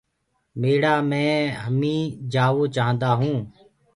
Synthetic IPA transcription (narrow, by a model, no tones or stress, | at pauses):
meːɽaːmɛ̃ːɦəmĩːd͡ʒaːʋoːt͡ʃaːɦə̃nd̪aːɦũː